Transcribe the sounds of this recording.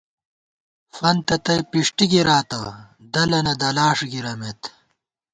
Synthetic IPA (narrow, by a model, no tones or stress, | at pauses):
fɐnt̪ɐt̪ɐjpiʂʈiɡiɾaːt̪ɐ | d̪ɐlɐnɐd̪ɐlaːʂɡiɾɐmet̪